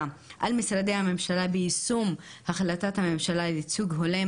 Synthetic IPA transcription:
ʔalmisɾad̪ejhame̞mʃalabeisumhaχlatathame̞mʃalalit͡suɡɦole

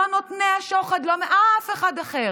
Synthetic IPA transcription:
anot̪meaʃoχad̪lomeʔafeχad̪aχe

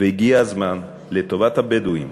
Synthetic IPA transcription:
veiɡiazman | let̪o̞vathabeduḭm

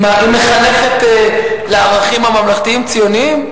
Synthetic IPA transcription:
maʔimeχale̞χet̪eleaʁaχimhamamlaχt̪iimt͡sijoniim

